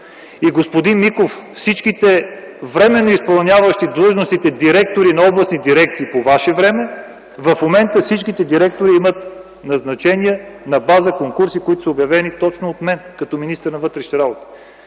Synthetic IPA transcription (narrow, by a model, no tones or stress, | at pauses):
iɡospod̪inmikoffsit͡ʃkit̪ɛ | vɾɛmɛnːoispɐlˠnʲjavəʃt̪id̪lˠɤʒnost̪it̪ɛd̪iɾɛk̚t̪oɾinɐɔblˠɐsnid̪iɾɛk̚t̪siːpovaʃɛvɾɛmɛ | vɐfmomɛnt̪əfsit͡ʃkit̪ɛd̪iɾɛk̚t̪oɾiimət̪ | nɐznɐt͡ʃɛniɛnɐbazəkoŋkuɾsikoit̪o̥səobjɐvɛnit̪ɔt͡ʃnoot̪mɛnkɐt̪ɔminist̪əɾnɐvɤt̪ɾɛʃnɾabot̪ə̥